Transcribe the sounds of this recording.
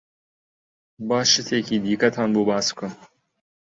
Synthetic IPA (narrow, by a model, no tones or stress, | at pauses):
bɑːʃɨt̪ʰeːkiːd̪iːkɐt̪ʰɑːnboːbɑːsɨkɨm